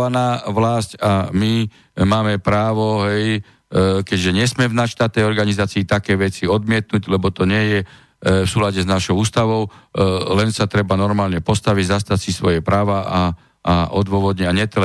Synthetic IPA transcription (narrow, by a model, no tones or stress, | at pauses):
anaːʋlascami | maːmɛpɾaːʋɔɦɛj | kɛɟʒɛɲɛsmɛvnaʃt̪at̪ːɛjɔɾɡanizaːt͡siːt̪akɛːʋɛt͡siɔd̪mɪɛt̪̚nuɟlɛbɔt̪ɔɲɛjɛ | fsuːlaɟɛznaʃɔʊuːst̪aʋɔʊlɛnsat̪ɾɛbanɔɾmaːlɲɛpɔst̪aʋiɟzast̪asisʋɔjɛpɾaːʋaa | ʔaʔɔd̪ʋʊɔʋɔd̪ɲɛaɲɛt̪ɛl